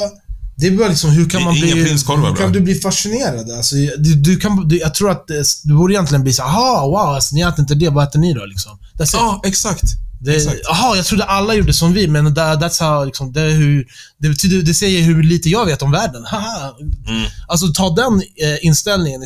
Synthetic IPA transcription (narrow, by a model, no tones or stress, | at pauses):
d̪ɛblɪksɔmɦɵɾkʰanmanbliɪnskʰɔlv̰kʰand̪ɵbliːfaʂɪneːɾad̪əalsɔd̪d̪ɵkʰand̪jɑɡ̚t̪ʰɾuːɾat̪̚d̪ɛsd̪ɛbuːɾɪjɛnt̪lɪənbliːsaːɦɑwaʊalsɔnɪɛːt̪ɾɪnt̪əd̪ɛvaɛːt̪əɳɪd̪ɔ̰lɪksɔm | d̪̥ɛsɛksakt̪d̪ɛɑɦɑjɑɡt̪ɾud̪əʔalːajuːɖːəsɔmvɪmɛnd̪ɛd̪æt̪sɑlɪksɔmd̪ɛɦʉɾd̪ɛbɛt̪ʰyːd̪əd̪ɛsɛjːəɾɦɵliːt̪əjɑːɡveːt̪ɔmvæːɖənhaha | als̬ɔt̪ʰɑːd̪ɛnɪnst̪ɛlnɪŋən